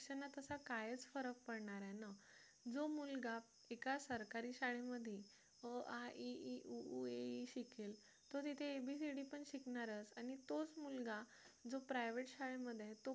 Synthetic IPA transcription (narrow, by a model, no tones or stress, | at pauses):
ɕənːat̪əsakajət͡sfəɾək̚pəɽɳaɾɛna | d͡zomulɡa | ekasəɾkaɾiɕaɭeməd̪ʱje | əaʔiiuueiɕikel | t̪ot̪it̪ʰeːbʱisiɽipəɳɕikɳaɾət͡sañit̪ot͡smulɡa | d͡zopɾajʋeʈɕaɭeməd̪ʱːjet̪o